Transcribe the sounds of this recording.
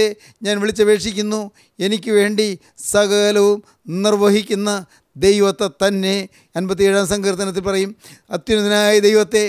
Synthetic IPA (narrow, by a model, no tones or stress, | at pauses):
e | ɲaːnʋiɭit͡ɕːɐʋe̞ːʂikʲːunːu | e̞nikʲːuʋe̞ːɳɖi | sɐɡɐɐlɐʋum | nirʋɐɦikʲːunːɐ | d̪ejʋɐt̪ːɐt̪ɐnːe̞ | ɐnbɐt̪̬ːieːɻaːmsɐŋɡɐɾt̪ːɐnɐt̪ːilpɐrɐjumɐt̪ːjinɐninaːjid̪ejʋɐt̪ːe̞